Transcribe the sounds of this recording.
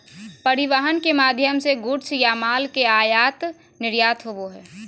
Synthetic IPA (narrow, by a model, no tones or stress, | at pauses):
pɐɾɪʋaɦənkemaːd̪ʱjəmseɡʊɾt͡ʃʰjamaːlkeaːjaːt̪ | nɪɾjaːt̪ɦoʋoɦɛː